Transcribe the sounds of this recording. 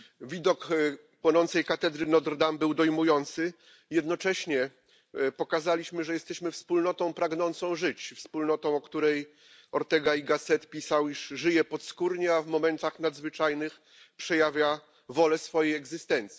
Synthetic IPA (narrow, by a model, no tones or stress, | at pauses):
vʲid̪ɔk | pwɔnɔnt̪sɛjkat̪ɛd̪ɾɘnɔd̪ɾd̪ambɘwd̪ɔjmujɔnt̪sɘ | jɛd̪nɔt͡ʂɛɕɲɛ | pɔkazalʲiɕmɘʐɛjɛst̪ɛɕmɘfspulnɔt̪ɔ̃w̃pɾaɡnɔnt̪sɔ̃w̃ʐɘt͡ɕfspulnɔt̪ɔ̃w̃ɔkt̪uɾɛj | ɔɾt̪ɛɡaiɡasɛt̪pʲisawiʂʐɘjɛpɔt̪skuɾɲɛavmɔmɛnt̪axnad̪zvɘt͡ʂajnɘx | pʂɛjavʲja | vɔlɛsfɔjejɛɡzɘst̪ɛnt̪sʲi